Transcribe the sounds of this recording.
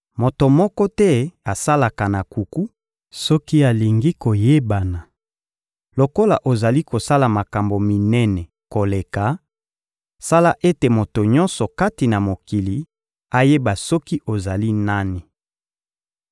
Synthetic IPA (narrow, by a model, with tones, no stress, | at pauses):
mo˨to˨mɔ˦kɔ˦tɛ˦a˨sa˦la˨ka˨na˨ku˨ku˦ | sɔ˦ki˦a˨li˨ŋɡi˦ko˨je˦ba˨na˨ | lo˨ko˦la˨ʔo˨za˨li˦ko˨sa˦la˨ma˨ka˨mbo˨mi˨nɛ˦nɛ˨ | ko˨le˨ka˨ | sa˦la˦ʔe˦te˨mo˨to˨ɲɔ̃˦nsɔ˨ka˦ti˨na˨mo˨ki˨li˨ | a˦je˦ba˨sɔ˦ki˦ʔo˨za˨li˦na˦ni˨